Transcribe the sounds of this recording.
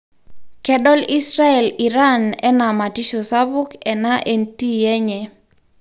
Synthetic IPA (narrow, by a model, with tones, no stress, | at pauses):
kɛ˦ɗɔ˦li˦sɾa˦ɛ˨li˨ɾa˦nɛ̰˦na˨ma˨ti˦ʃo˨sa˦bʊ˦kɛ˨na˦ʔe˦nti˦jɛ˦ɲɛ˨